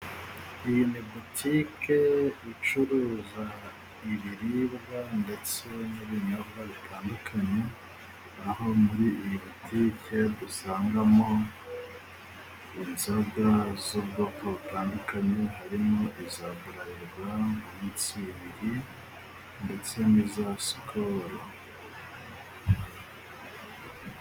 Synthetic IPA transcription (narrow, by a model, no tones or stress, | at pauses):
ijinebotʰikʰe̞it͡ʃuɾuːza | iβiɾiβɡande̞t͡seniβiɲobɡaβitʰaːndukʰaɲe | aho̞muɾijβotʰike̞dusaːŋɡamo̞ | inzabɡazoβɡakoβutaːndukaɲe̞ɦaɾimoʔizaβuɾajiβwamuɲit͡siβiɾi | nde̞t͡se̞nizasi̥kʰoɾo